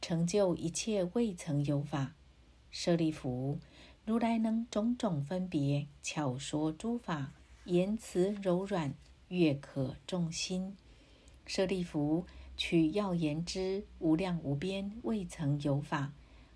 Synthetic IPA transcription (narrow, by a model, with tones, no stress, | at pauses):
ʈ͡ʂʰɤ˧˥ŋt͡ɕjo˥˩ʊʔi˧˥t͡ɕʰjɛ˥˧we˥˩ɪt͡sʰɤ˧˥ŋjo˧˥ʊfa˨˩˦ | ʂɤ˥˧li˥˩fu˧˥˦ɻu˧˥la˧˥ɪnɤ˧˥ŋʈ͡ʂʊ˧˥ŋʈ͡ʂʊ˨˩ŋfə˥npjɛ˧˥˦t͡ɕʰjɑ˨˩ʊʂwɔ˧˥ʈ͡ʂu˥fa˨˩˦jɛ˧˥nt͡sʰɹ̩˧˥ɻo˧˥ʊɻwa˨˩n | ɥɛ˥˩kʰɤ˨˩ʈ͡ʂʊ˥˩ŋɕi˥n | ʂɤ˥˧li˥˩fu˧˥t͡ɕʰy˨˩jɑ˥˩ʊjɛ˧˥nʈ͡ʂɻ̩˥u˧˥ljɑ˥˩ŋu˧˥p̬jɛ˥nwe˥˩ɪt͡sʰɤ˧˥ŋjo˧˥ʊfa˨˩˦